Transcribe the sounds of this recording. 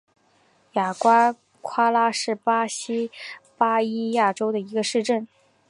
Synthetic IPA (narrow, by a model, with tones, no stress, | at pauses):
ja˨˩kwa˥ | kʰwa˥la˥ʂɻ̩˥˩pa˥ɕi˥pa˥i˥ja˥˩ʈ͡ʂo˥ʊd̪ə˨i˧˥ɡə˧ʂɻ̩˥˧ʈ͡ʂə˥˩n